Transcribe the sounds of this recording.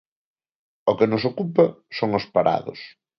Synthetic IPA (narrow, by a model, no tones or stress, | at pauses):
okɪnʊsokupɐ | soŋospaɾʔa̰ðʊ̰s